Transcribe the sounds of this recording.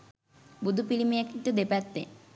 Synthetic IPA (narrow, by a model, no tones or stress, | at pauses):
bud̪ʱupilimiekik̚t̪od̪epɛt̪ːe